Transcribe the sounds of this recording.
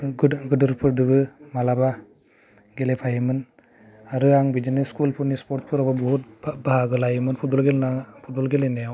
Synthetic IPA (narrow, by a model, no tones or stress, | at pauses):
ɡɡɯdɯɾpʰɯɾɖɯbɯmalaba | ɡelepʰajimɯn | aɾɯaŋbid͡ʒineskulpʰuɾnispɔɾt̚pʰuɾababɔɦut̪baaɡɯlajɯmɯnpʰut̚bɔlɡelnapʰut̚bɔlɡelenejaw